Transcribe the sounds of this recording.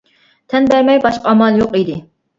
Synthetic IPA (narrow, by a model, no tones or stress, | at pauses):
t̪ʰɛnbæɾmɛjbɑʃqɑɑmɑlˠjoqid̪ɪ